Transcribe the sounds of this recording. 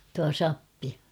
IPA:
tuɑ sɑpːi

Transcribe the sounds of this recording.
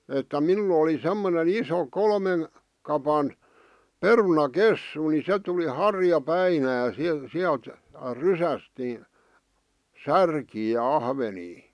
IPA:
etːæ minul oli semːonen iso kolmen kɑpɑn perunɑkesːu ni se tuli hɑrjɑpæinæ si siælt rysæst ni særkiː jɑ ɑhʋeniː

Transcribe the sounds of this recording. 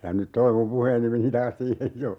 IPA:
jɑ nyt toi mum puheːni meni tɑːs siːhej jo

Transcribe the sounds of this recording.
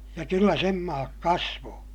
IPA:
jɑ kylːæ sem mɑːk kɑsʋoː

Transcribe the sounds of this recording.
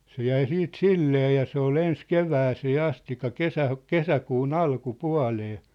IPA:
se jæi siːt silːeː jɑ se ol ens keʋæːseː ɑstikˑɑ kesæ kesækuːn ɑlkupuɑ̝leː

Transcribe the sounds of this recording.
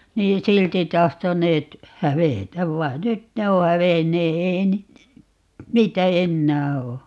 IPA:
niː silti tɑhtonˑeːt hæʋetæʋ ʋɑi̯n nyt ne o hæʋenːeː ei ni niːtæ enːæː oː

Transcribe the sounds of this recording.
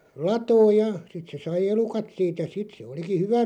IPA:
lɑtoːj jɑ sit se sɑi elukɑt siːt jɑ sit se oliki hyʋæ

